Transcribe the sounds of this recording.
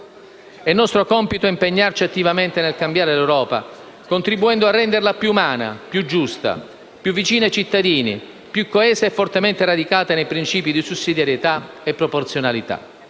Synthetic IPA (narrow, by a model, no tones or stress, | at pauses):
ɛnːɔst̪ɾokɔmpit̪oimpeɲːart͡ʃiat̪ːivament̪enelkambjaːɾelewɾɔːpa̰ | kont̪ɾibuɛnd̪oarːɛnd̪erlapjuːumaːna̰pjud͡ʒːust̪a̰ | pjuvːit͡ʃiːnat͡ʃit̪ːad̪iːnḭ | pjukːoɛːzeɛfːort̪ement̪erad̪ikaːt̪enejpɾint͡ʃiːpid̪isusːid̪jaɾjet̪a | epːɾoport̪sjonalit̪a̰